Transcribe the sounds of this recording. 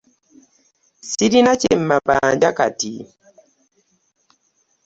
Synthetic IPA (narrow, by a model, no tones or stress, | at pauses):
sidinat͡ʃemmːabaːd͡ʒaka̰ti